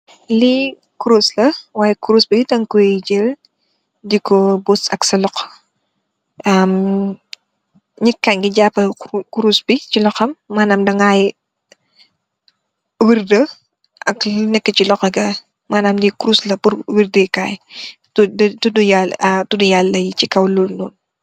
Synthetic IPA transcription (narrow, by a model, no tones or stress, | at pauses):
li | kuɾuslɐwaːjɛkuɾusbidɐŋkuɟil | dikɔbusɐksɐlɔqː | ɐm | ɲikːɐnɡiɟapːɐkuɾusbit͡ʃilɔxɐmːaːnamdɐŋaj | wirdə | ʔɐknɛkːət͡ʃilɔqɐɡɐ | maːnaːmdikuɾuslɐpuɾwiɾdəkaj | tdtudujaltudujalːɐjit͡ʃikɐwlulnɔːn